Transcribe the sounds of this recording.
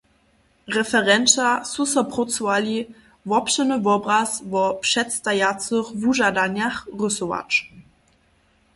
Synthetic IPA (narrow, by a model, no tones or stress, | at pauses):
ʁɛfɛʁɛnt͡ʃasusɔpʁɔt͡sɔvalʲi | vɔpʃɛnəvɔbʁasvɔpʂɛtst̪ajat͡səχvuʒadaɲjaχʁɵsɔva̰t͡ʃ